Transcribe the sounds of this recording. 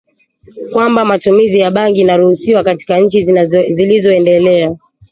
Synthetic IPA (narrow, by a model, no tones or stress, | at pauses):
kwambamatumizijaɓaŋɡinaɾuhusiwakati̥kaɲ̩t͡ʃizilizɔɛndɛlɛa